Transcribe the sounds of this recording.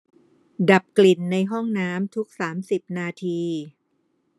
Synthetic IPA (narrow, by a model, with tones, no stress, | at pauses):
da˨˩p̚kli˨˩nːa˧jɦɔ˥˩ŋnaː˦˥mt̪ʰu˦˥k̚saː˩˦msi˨˩p̚naː˧t̪ʰiː˧